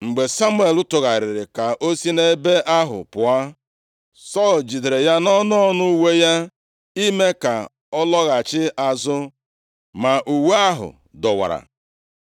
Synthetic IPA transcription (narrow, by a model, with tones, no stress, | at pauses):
ŋ͡m̩˨ɡ͡be˨sa˦mʊ˦e˨lʊ˦tʊ˨ɣa˨ɾɪ˨ɾɪ˨ka˨ʔo˦si˦ne˦be˦ʔa˦ɦʊ̰˨pʊ˨a˦ | sɔ˦˨ld͡ʒi˨de˨ɾe˨ja˦nɔ˦nʊ˦ɔ˦nʊ˦u˦we˦ja˦ | i˦me˦ka˨ | ɔ˦lɔ˦ɣa˨t͡ʃɪ˦ʔa˨zʊ˦ | ma˨ʔu˨we˦a˦ɦʊ̰˨ | dɔ˨wa̰˨ɾa̰˨